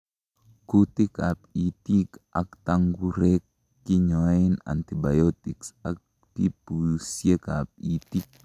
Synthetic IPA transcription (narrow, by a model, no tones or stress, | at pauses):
kut̪ikapit̪ikʔa̰kt̪aŋɡuɾekː | iɲoina̰nt̪ibajot̪iksak̚ | tipusjekap̚it̪ik̚